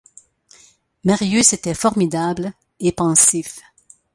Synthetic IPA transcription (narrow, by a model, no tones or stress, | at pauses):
maʁjyset̪ɛfɔʁmid̪abl | epɑ̃sif